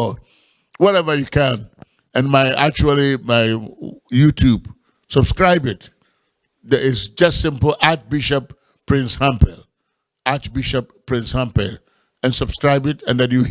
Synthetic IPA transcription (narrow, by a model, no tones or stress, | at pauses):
wɔɾɛvə˞jukʰæ̃n | ɨ̃nmaɪak̚t͡ʃul̩ˠimaɪjutʰjub | səb̥skɹaɪbɪt | dəɾɪsd͡ʒʌstsɪ̃mpl̩ˠʔat͡ʃbiʃəp | pʰːɹ̥ɪ̃nshãmpɛl | at͡ʃbiʃəpʰː | ɹɪ̃nshãmpɛ̰lˠ | ɨ̃nsəbskɹaɪbɪtɨ̃nðɨdjɨ